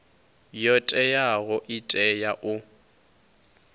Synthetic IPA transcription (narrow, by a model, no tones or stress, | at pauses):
jɔtʼɛjaɣɔʔɪtʼɛjaʔʊ